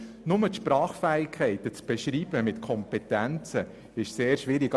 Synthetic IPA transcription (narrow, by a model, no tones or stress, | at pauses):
nʊmət̪ʃpɾɑːχfæːɪkʰːɛɪt̪ət͡sb̥ɛʃɾiːb̥əmɪt̪kʰɔmpɛt̪ænt͡sə | ɪʃseːɾʃʋɪɾɪɡ